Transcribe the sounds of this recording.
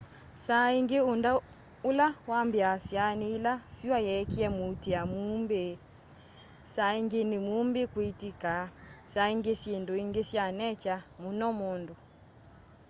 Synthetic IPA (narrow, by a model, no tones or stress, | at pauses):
saiŋɡeunda | ulawambiasjaniilasiwajɛkiɛmutiamumbe | saiŋɡenimumbekwitikasaiŋɡesjendoiŋɡesjanɛt͡ʃamunɔmondo